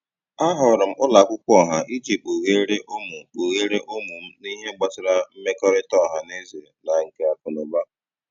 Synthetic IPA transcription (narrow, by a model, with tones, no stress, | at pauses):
a˦ɦʊ˨ɾʊ˨m̩˦ʔʊ˦la˨kʷʊ˦kʷɔ˦ɦa˨ʔi˦d͡ʒi˨p̚k͡po˨ɣe˦ɾe˦ʔʊ˦mʊ˨k͡po˨ɣe˦ɾe˦ʔʊ˦mʊ˨m̩˦ni˦ɦe˦ɡ͡ba˦tɪ˦ɾa˦m̩˦me˦kɔ˦ɾɪ˦tɔ˦˨ɦa˨ne˦zi˨na˨ŋ̩˨ke˨a˨kʊ˨nʊ˨ba˦